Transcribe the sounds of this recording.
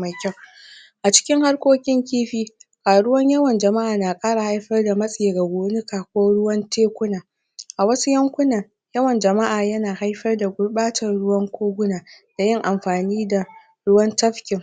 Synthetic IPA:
ma˨kʲːa˦˨w | ʔa˨t͡ʃɪ̥˦kʲɪ˦ŋha˦rkʷoː˦kʲɪ˦ŋkʲiː˦ɸiː˦kaː˨ɽʊ˦wɐ˦ɲjɐ˦wɐ˨nd͡ʒɐ˨ma˦ʔaː˨naː˨kʼaː˦ɽa˨ha˦jɸɐ˦rda˨mɐ˦sʼɪ˨je˨ɡa˨ɡʷoː˦nɪ˦kaː˨kʷoː˦ɽʊ˦wɐ˦nteː˦kʷʊ˦naː˨ | ʔa˨wɐ˦su˦jɐ˦ŋkʷʊ˦nɐ˨ŋ | jɐ˦wɐ˨nd͡ʒɐ˨ma˦ʔaː˨jɐ˦naː˨ha˦jɸɐ˦rda˨ɡʷʊ˦ɽɓaː˦tɐ˨rɽʊ˦wɐ˦ŋkʷʰoː˦ɡʷʊ˦naː˨ | d̥a˨jɪ˦ŋʔa˨mɸaː˨niː˦da˨ | ɽʊ˦wɐ˦ntɐ˦ɸkʲɪ˨ŋ

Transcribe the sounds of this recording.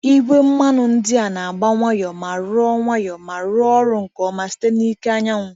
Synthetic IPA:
i˦ɡʷe˦m̩˦ma˦nʊ˨n̩˦dɪ˦a˨na˨a˨ɡ͡ba˦ŋʷa˦jɔ˨ma˨ɾʊ˦ɔ˦ŋʷa˦jɔ˨ma˨ɾʊ˦ɔ˦ɾʊ˨ŋ̩˨kɔ˨ma˨si̥˦te˦ni˦ke˦a˦ɲa˦ŋʷʊ˨

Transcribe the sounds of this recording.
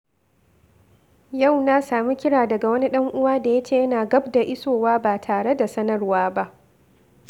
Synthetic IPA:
ja˦˨wna˦saː˨mi˦kʲɪ˦ɽaː˨dɐ˨ɡa˨wɐ˦ni˦ɗɐ˦ŋʔʊ˦waː˦da˨jɐ˦t͡ʃeː˦˨jɐ˦naː˨ɡɐ˦bda˨ʔɪ˦soː˨waː˦baː˨tʰaː˨ɽe˦da˨sɐ˦nɐ˦rwaː˦ba˦ʔ

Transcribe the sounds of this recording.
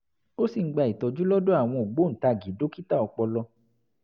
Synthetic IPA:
o˦si˦˨ŋ̩˦ɡ͡ba˧˨i˨tɔ˨d͡ʒu˦lɔ˦do˦a˦˨w̃ɔ̃˧o˨ɡ͡bo˨˦n̩˨ta˧˨ɡi˨˦do˨˦ki˦ta˦˨ɔ˧k͡pɔ˧lɔ˧

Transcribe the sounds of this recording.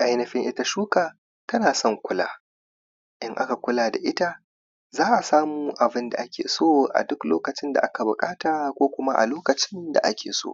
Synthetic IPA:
ʔa˦jnɐ˨ɸɪ˦ŋʔɪ˦ta˦ʃuː˦kaː˨ | tɐ˦naː˨sɔ˦˨ŋkʷʊ˦la̰ː˦ | ʔɪ˦ŋʔa˦ka˨kʷʊ˦laː˨da̰˨ʔɪ˦ta˦ | zaː˦ʔa˨saː˦muː˦ʔa˨bɪ˦nda̰˨ʔa˦kʲḛː˨soː˦ʔa̰˨dʊ˦kloː˦kɐ˨t͡ʃɪ˦nda̰˨ʔa˦ka˨bʊ˨kʼaː˦taː˨kʷoː˦kʷʊ˦ma˦ʔa̰˨loː˦kɐ˨t͡ʃɪ˦nda̰˨ʔa̰˦kʲʰḛː˨so̰ː˦˨

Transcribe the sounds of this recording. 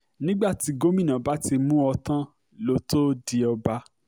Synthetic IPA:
nĩ˦ɡ͡ba˦˨ti˨˦ɡo˦mĩ˦˨nã˨ba˨˦ti˧mũ˦ɔ˧tã˦ | lo˨˦to˦di˧ɔ˧ba˧˦

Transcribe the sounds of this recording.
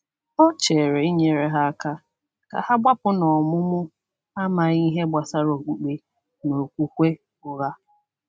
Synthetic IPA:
ɔ˦t͡ʃe˨ɾe˨i˦ɲe˨ɾe˨ɦa˦a˦ka˦ | ka̰˨ha˦ɡ͡bʷa˦pʊ˦nɔ˨mʊ˦mʊ˦ | a˦ma˨ɣi˦ɦe˦ɡ͡ba˨sa˦ɾo˨ɡ͡bu˨k͡pe˨ | no˨kʷu˦kʷe˦ | ʊ˨ɣa˦

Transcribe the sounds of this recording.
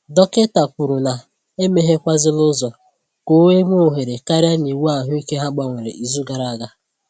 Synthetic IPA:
dɔ˦ke˦ta˨pʊ˨ɾu˨na˨ | e˦me˦ɦe˦kʷa˦zɪ˦lʊ˦zɔ˨ | ko˦e˦mʷ˦o˦˨ɦe˨ɾe˨ka˦ɾa˦ni˨wu˦a˨ɦʊ˦i˦ke˦ɦa˦ɡ͡ba˨ŋʷe˨ɾḛ˨i˨zu˦ɡa˨ɾa˨a˨ɡa˦

